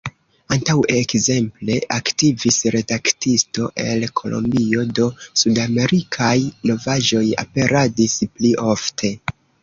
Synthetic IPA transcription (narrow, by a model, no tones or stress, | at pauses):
antawekze̞mple̞ʔaktivisɾe̞daktisto̞ʔe̞lkʰo̞̰lʔo̞̰mbio̞do̞sudame̞ɾikʰajno̞vaʒo̞ja̰pe̞ɾadispliʔo̞ftʰe̞